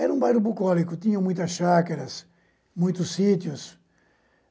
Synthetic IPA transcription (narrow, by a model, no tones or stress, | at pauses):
ɛɾɐũbajɾʊbukɔlikʊt̪ĩɲɐ̃mũj̃t̪ɐsʃakɐɾɐs | mũj̃t̪ʊsːit̪jʊs